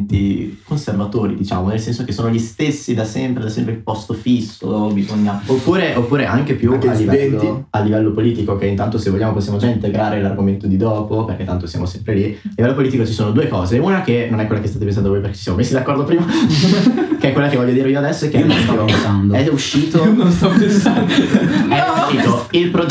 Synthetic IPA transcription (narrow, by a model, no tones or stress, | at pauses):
t̪ikonservat̪oːɾḭd̪it͡ʃa̰ːmonelsɛnsokesoːnoʎist̪esːid̪asɛmpɾed̪asɛmpɾeilpɔst̪ofisːo̰bizoɲːaopːuːɾeʔopːuːɾeʔaŋk̟epjuaːivɛɛnialːivɛlːopoliːt̪ikokeint̪ant̪osevːolʎːaːmoposjamod͡ʒaint̪eɡɾaːɾelarɡoment̪od̪id̪ɔːpoperket̪ːant̪osja̰mosɛmpɾelialːivɛlːopoliːt̪̬ikot͡ʃisoːnod̪uːekɔːzeunakenonɛkwelːakest̪at̪epensand̪ovojpeɾke̥t͡ʃisjamomesːid̪akːɔɾrd̪opɾiːma | keɛkwelːakevɔʎːjːod̪iɾeioad̪ɛsːoɛk̟ːenõnst̪ɔvopensand̪oɛuʃːiːt̪ononst̪ɔpensand̪ɛabit̪oilpɾo